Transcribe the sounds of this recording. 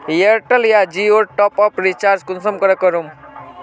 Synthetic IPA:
jeɾʈəljad͡ʒioɾʈɔpɔpɾit͡ʃaːɾd͡ʒkunsəmkəɾekəɾum

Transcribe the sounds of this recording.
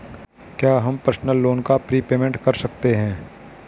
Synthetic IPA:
kjaːɦɐmpɾsnəlːoːnkapɾiːpeːmɛ̃ɳʈkɐɾsɐk̚t̪eɦɛ̃ː

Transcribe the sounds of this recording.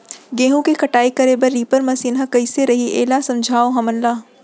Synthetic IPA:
ɡẽːɦũkekɐʈaːikɐɾebɐɾːiːpəɾmɐsiːnɦɐ̃kɐɪseɾɐɦiʔḛːlasɐ̃md͡ʒʱaːoɦɐmənlaː

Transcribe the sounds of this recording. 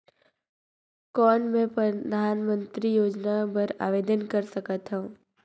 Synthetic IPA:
kɔːnmɛ̃pɾəd̪ʱaːnmə̃nt̪ɾijoːd͡ʒnabəɾa̰ːʋeːd̪ənkəɾsəkət̪ɦɛ̃

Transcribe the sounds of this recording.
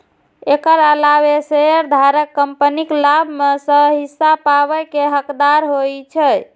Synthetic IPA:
ekəɾalabeseəɾd̪ʱaɾəkːəmpəniklabʱmesəɦisːapaβəkeɦəkd̪aɾɦojt͡ʃʰɛ

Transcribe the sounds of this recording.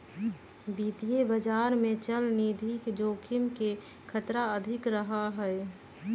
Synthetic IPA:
biːt̪iebəd͡ʒaːɾmẽt͡ʃəlniːd̪ʱikd͡ʒoːkʰɪmke | kʰət̪ɾaəd̪ʱɪkɾəɦaɦɛɛ

